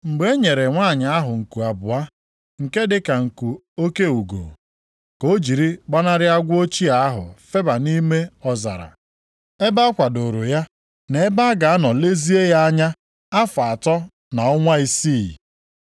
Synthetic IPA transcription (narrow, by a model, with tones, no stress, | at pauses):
m̩˨ɡ͡be˦ɲe˨ɾe˨ŋʷa˦˨ɲa˨a˦ɦʊ˨ŋ̩˨ku˨a˨bʊ˨a˦ | ŋ̩˨ke˦dɪ˦ka˨ŋ̩˨ku˨ | o˦ke˦u˨ɡo̰˨ | ko˦d͡ʒi˨ɾi˦ɡ͡ba˦na˦ɾɪ˦a˦ɡʷo˦t͡ʃi˦a˨a˦ɦʊ̰˨fe˦ba˨ni˦me˦ɔ˨za̰˨ɾa̰˨ | e˦ba˦kʷa˨do˨ɾʊ˨ja˦ | ne˨e˦ba˦ɡa˨a˦nɔ˨le˦zi˦e˦ja˦a˦ɲa˦ | a˦fa˨tɔ˦ | na˨ɔ˦ŋʷa˦i˦si˦˨